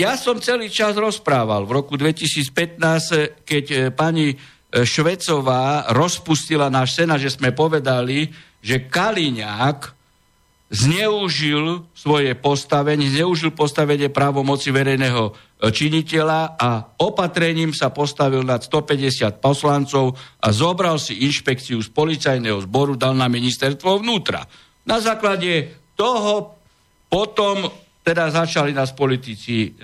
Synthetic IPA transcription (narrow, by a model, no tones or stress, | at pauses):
jasɔmt͡sɛliːt͡ʃazɾɔspɾaːʋalʋɾɔkud̪ʋɛcisiːt͡spɛt̪naːskɛcpaɲi | ʃʋɛt͡sɔʋaːɾɔspuscilanaːʃsɛnaʒɛzmɛpɔʋɛd̪ali | ʒɛkaliɲaːk | zɲɛuʒilsʋɔjɛpɔst̪aʋɛɲɛzɲɛuʒilpɔst̪aʋɛɲɪɛpɾaːʋɔmɔt͡siʋɛɾɛjnɛɦɔ | t͡ʃiɲicɛlaaɔpat̪ɾɛɲiːmsapɔst̪aʋilnat̪st̪ɔpɛɟɛsɪat̪̚pɔslant͡sɔʊʔa̰zɔbɾalsiinʃpɛkt͡siuspɔlit͡sajnɛɦɔzbɔɾud̪alnaminist̪ɛɾst̪ʋɔʋnuːt̪ɾa̰ | nazaːklaɟɛt̪ɔɦɔ | pɔt̪ɔm | t̪ɛd̪azat͡ʃalinaspɔlit̪it͡si